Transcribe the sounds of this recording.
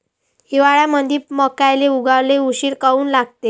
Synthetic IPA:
hiʋaɭjaməd̪ʱiːməkajleuɡaʋleuɕiːɾkauːnlaɡt̪e

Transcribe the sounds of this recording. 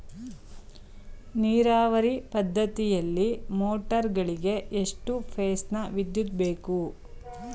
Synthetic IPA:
niːɾaːʋɐɾipɐd̪ʱːɐt̪ijɐlːimoːʈɐɾɡɐɭiɡe̞ʔeʂʈupʰeːsnɐʋid̪jud̪̚be̞ːku

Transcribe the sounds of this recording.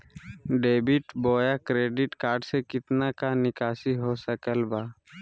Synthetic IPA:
ɖeːbɪʈboːjakɾeːɖɪʈkaːɾɖsekɪt̪nakanɪkaːsiɦosəkəlbaː

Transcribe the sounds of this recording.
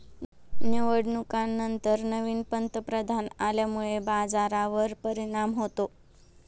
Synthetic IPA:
nəʋəɽnukanːənt̪əɾnəʋiːnpənt̪əpɾəd̪ʱanaljamuɭebad͡zaɾaʋəɾpəɾiɽ̃amɦot̪o

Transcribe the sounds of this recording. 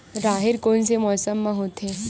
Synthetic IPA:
ɾaɦiɾkonsemɔsəmːəɦot̪ʰe

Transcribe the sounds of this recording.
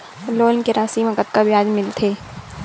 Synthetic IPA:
loːnkeɾaːsimɐkət̪kabʱijaːd͡ʒmɪlt̪ʰeː

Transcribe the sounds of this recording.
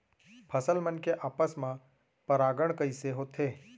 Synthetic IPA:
pʰəsəlmənkeʔaːpəsmã | pəɾaːɡəɳ̃kəiseɦot̪ʰeː

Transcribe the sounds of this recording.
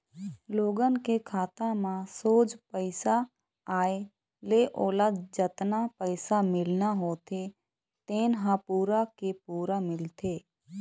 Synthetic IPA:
loːɡənkekʰaːt̪ãmãsoːd͡ʒpəɪsa | aːe | leʔoːlad͡ʒət̪napəɪsamɪlnaɦoːt̪ʰe | t̪eːnɦãpuːɾakepuːɾamɪlt̪ʰeː

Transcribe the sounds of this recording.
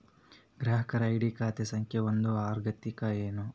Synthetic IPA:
ɡɾaːɦɐkɐɾɐiɽikaːt̪esɐŋkʰjɐond̪uaːɾɡɐt̪ikɐeːnu

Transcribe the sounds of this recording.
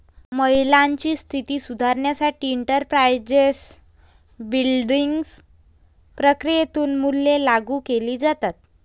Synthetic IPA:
məɦilaɲt͡ɕiːst̪ʰit̪iːsud̪ʱaɾɳjasaʈiːɳʈəɾpɾajd͡zes | bilɖiŋɡs | pɾəkɾijet̪uːnmulːelaɡuːkeliːd͡zat̪at̪̚

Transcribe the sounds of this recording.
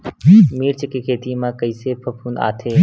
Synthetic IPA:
miːɾt͡ɕɪkekʰeːt̪imãːkɐiːseːpʰɐpʰũːna̰ːt̪ʰeː

